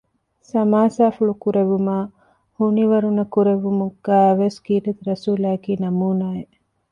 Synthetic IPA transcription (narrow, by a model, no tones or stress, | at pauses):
sɐmaːsaːfuɭukuɾeʋumaː | huniʋɐɾunɐkuɾeʋumuɡæːʋeskiːtet̪ɾɐsuːlaːkiːnɐmuːnaːje